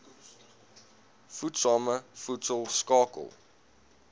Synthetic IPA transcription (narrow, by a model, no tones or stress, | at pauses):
futsɑːməfutsəlˠskɑːkə̰lˠ